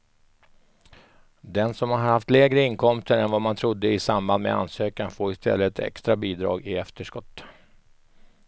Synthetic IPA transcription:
d̪ɛnsɔmhaɾɦaɾhaft̪lɛːɡɾəɪnkʰɔmst̪əɾɛnvamant̪ʰɾʊd̪ːəɪsamband̪mḛa̰nsøːkanfoːɾɪst̪ʰɛ̰lːət̪ʰɛ̰kst̪ɾabiːd̪ɾɑ̰ːɡɪɛft̪əʂkɔt̪ː

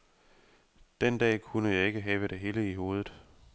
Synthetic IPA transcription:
d̥end̥ɛ̰ːkʰunəjɑ̈ɪe̝ɡ̥əɦɛːʋəɾ̥eɦe̝ːləiɦo̝ːð̞ˠð̩ˠ

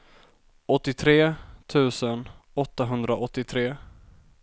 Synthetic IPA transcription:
ɔt̪ːɪt̪ʰɾeːt̪ʰʉ̟ːsənɔt̪ːaɦɵnd̪ɾaʔɔt̪ːɪt̪ʰɾeː

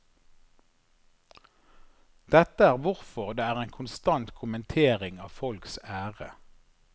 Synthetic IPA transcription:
d̪̥ɛt̪əæːʁʋʊʁfɔʁd̪eːæːʁeːnkʰʊnst̪ɑnt̪kʰʊmənt̪ʰeːʁɪŋɑ̰ːfɔlksæːʁə

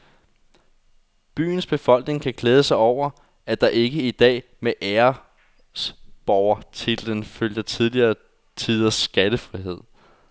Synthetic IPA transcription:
b̥y̰ːn̩sb̥e̝fɒ̽l̰ɡ̥ne̝ŋkʰæɡ̥leːð̞ˠəsɑ̈ɪɒʊ̰ɐ | æd̥ɑ̈ʔe̝ɡ̥əid̥ɛ̰ː | meʔæɐ | sb̥ɒʊɐt͡sʰe̝ld̥enføljdət͡sʰið̞ˠliɐː | t͡sʰið̞̰ˠɐsɡ̥æd̥əfʁiɦe̝ð̞̰ˠ

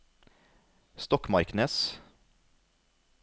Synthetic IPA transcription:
st̪ɔkmɑɾknəs

